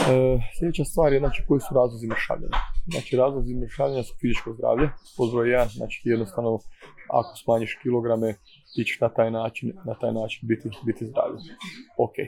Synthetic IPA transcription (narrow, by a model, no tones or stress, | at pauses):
əslʎʲe̞d̪et͡ɕast̪ʋaːɾjeznaːt͡ʃi̥ko̞isuɾaːzlˠozimrʃa̰ːʋʎʲḛɲazna̰ːt͡ʃiɾaːzlˠozimɾʃaːʋʎʲeɲasu̥fizit͡ʃko̞zd̪ɾa̰ːʋʎepozʋojjed̪anzna̰ːt͡ʃi̥jed̪no̞st̪aʋnoa̰ko̞̥smaːɲiʃkilo̞ɡɾame | it͡ɕe̥ʃnat̪aːjnaːt͡ʃinːat̪aːjnaːt͡ʃinbit̪ibit̪izd̪ɾa̰ːʋʎeokḛːj